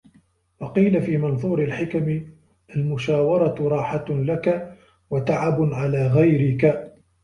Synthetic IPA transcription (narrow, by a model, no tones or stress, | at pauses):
wɑqiːlafiːmɑnðˤuːɾɪlħɪkamɪ | ʔalmʊʃaːwɑɾˤɑɾˤɑːħalaka | wat̪aʕabʕalaːɣajɾɪka